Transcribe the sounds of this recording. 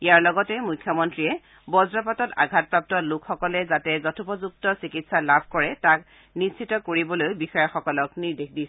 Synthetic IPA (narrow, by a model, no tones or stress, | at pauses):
iaɹlɔɡɔtɛmujkʰjɔmɔntɹiɛ | bɔzɹɔpatɔta̰ɡʱat̚pɹap̚tɔlʊkxɔkɔlɛzatɛzɔtʰupɔzuk̚tɔsikitsalabʱkɔɹɛtak | nissʰitɔkoɹibɔlojbixɔjɔxɔkɔlɔkniɹdexdis